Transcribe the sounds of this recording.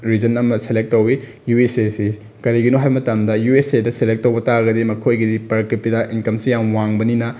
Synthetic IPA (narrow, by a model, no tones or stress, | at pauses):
ɾid͡ʒɐnɐmɐselek̚tːowi | juesesi | kɐɾiɡinoɦajmɐtamdɐjuesedɐselek̚tːɐwbɐtaɡɐdimɐkʰojɡidipɐɾkipːidɐʔinkɐmsijamwaŋbɐninɐ